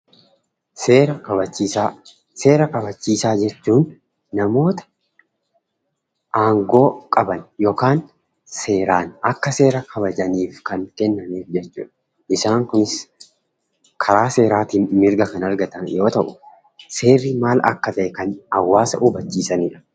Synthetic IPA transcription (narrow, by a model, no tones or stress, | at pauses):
seːɾɐkɐbɐt͡ʃːis | se̞ːɾɐkɐbɐt͡ʃːiːsaːd͡ʒɛt͡ʃːuːnː | ɐmo̞ːt̪ɐ̥ | ʔaːŋɡo̞ːkʼɐbɐnjo̞ːkaːn | se̞ːɾaːnɐkːɐse̞ːɾɐkʰɐbɐd͡ʒɐniːfkɐŋkɛnːɐmeːfd͡ʒɛt͡ʃːṵːᶑɐ | ʔɪsaːŋkʊnɪs | kʰɐɾaːse̞ːɾaːt̪iːmɪɾɡɐkɐnɐɾɡɐt̪ɐnjo̞ːt̪ɐʔʊ | se̞ːrɪmaːlɐ̰kːɐt̪ɐʔɛkɐnɐwːaːsɐ̰ʔʊbɐt͡ʃːiːsɐniːᶑɐ̥